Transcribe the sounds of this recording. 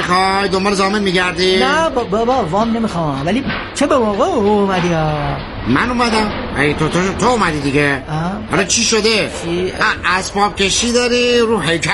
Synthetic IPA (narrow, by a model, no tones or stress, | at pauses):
ixɑjd̪ombɒːɾezɒːmenmiɡæɾd̪inæbbɔbɔvɒːmnemixɑvæli | t͡ʃʰebemɒːɣeumæd̪iɑ | mænumæd̪æm | æt̪ʰot̪ot̪ʰoumæd̪id̪iɡehɒlɑt͡ʃʰiːʃod̪e | iʔæsbɒːb̥̚kʲʰeʃiːd̪ɒɾiɾuːɦejkʰæ